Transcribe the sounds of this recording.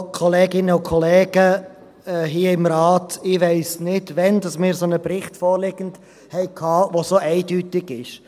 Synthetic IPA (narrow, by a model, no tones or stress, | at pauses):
kʰɔleːɡɪnəʊkʰɔleːɡ̥ə | ɦiːəɪmɾɑːtɪʋɛɪsnɪdʋɛnd̥ɑsmɪːɾsonəpɾɪχtfɔːɾlɪɡ̥ən̩d | hɛɪkʰɑːʋosoʔɛɪdyːtɪɡɪʃ